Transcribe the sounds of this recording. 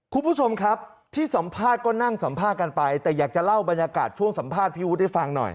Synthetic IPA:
kʰu˧npʰuː˦˥˩t͡ɕʰo˧mkʰɾa˦˥p̚t̪ʰiː˥˩sa˩˦mpʰaː˥˩t̪̚kɔː˥˩na˥˩ŋsa˩˦mpʰaː˥˩t̪̚ka˧npa˧jt̪ɛː˨˩jaː˨˩k̚t͡ɕa˨˩la˥˩wba˧njaː˧ka̰ː˨˩t̪̚t͡ɕʰu˥˩əŋsa˩˦mpʰaː˥˩t̪̚pʰiː˥˩wu˦˥t̪̚a˥˩fa˧ŋnɔ̰˨˩j

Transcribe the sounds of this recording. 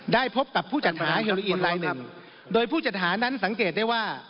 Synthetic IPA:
daː˥˩jpʰo˦˥p̚ka˨˩pʰːuː˥˩t͡ɕa˨˩t̪̚haː˩˦ɦeː˧loː˧ʔi˧nɾaː˧jnɯ˧˩ŋ | doː˧jpʰuː˥˩t͡ɕa˨˩t̪̚ɦaː˩˦na˦˥nsa˩˦ŋkeː˨˩t̪̚daː˥˩jwaː˥˩

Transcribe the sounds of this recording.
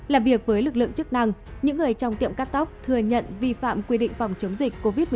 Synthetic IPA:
laː˨˩vi˨˩ək̚vəː˨˦jlɨ˨˩k̚lɨ̰˧˨əŋt͡ɕɨ˦˥k̚na˧ŋɲɨ̰˧˥ŋːɨ˨˩əjt͡ɕɔ˧wŋ͡mt̪ḭ˧˨əmkaː˦˥t̚t̪a˦˥wk͡p̚t̪ʰɨ˨˩əɲə̰˧˨nvi˧fa̰ː˧˨mkwi˧ɗḭ̈˧˨ŋ̟fa˨˩wŋ͡mt͡ɕə˨˦wŋ͡mzï˨˩k̟ko˧vi˦˥t̚m˨˩

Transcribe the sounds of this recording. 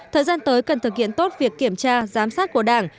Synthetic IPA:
t̪ʰəː˨˩jzaː˧nt̪əː˨˦jkə˨˩nt̪ʰɨ˨˩k̚hḭ˧˨ənt̪o˦˥t̚vi˨˩əkːi˧˩əmt͡ɕaː˧zaː˨˦msaː˦˥t̚ku˧˩əɗaː˧˩ŋ

